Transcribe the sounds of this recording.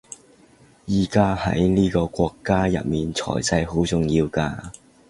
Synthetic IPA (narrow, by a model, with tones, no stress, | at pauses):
jiː˨kaː˥hɐ̰˨˥jniː˥kɔː˧kʷɔː˧kːaː˥jɐ̰˨t̚miː˨˩nt͡sʰɔ̰ː˨˩jt͡sɐ˧jɦo˨˥wt͡sʊ˨˧ŋjiː˧wkaː˧